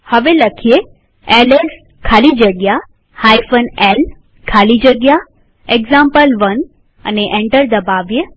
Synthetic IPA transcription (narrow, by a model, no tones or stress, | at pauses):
həʋelɐkʰije | eles | kʰaːlid͡ʒəɡja | haːjfənel | kʰaːlid͡ʒəɡja | ekzãmpəlʋən | ɐ̰neʔẽɳʈəɾd̪ɐbaːʋjə